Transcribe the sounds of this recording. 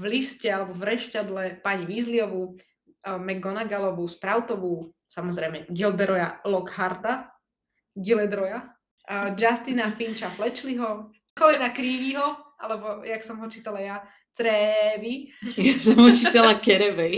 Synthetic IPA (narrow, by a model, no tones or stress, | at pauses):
vliscɛalɛbɔvɾɛʃtad̪lɛpaɲiʋizliɔʋu | mɛɡːɔnaɡalɔʋuspɾaʊt̪ɔʋu | samɔzɾɛjmɛɡilb̪ɛɾɔjalɔɡhaɾt̪a | ɡilɛd̪ɾɔja | d͡ʒast̪inafint͡ʃaflɛt͡ʃliɦɔ | kɔlɛnakɾiːʋiɦɔ | a̰lɛbɔjaksɔmɦɔt͡ʃiːt̪alaja | t͡sɾɛʋijasɔmɦɔt͡ʃiːt̪alakɛɾɛʋɛj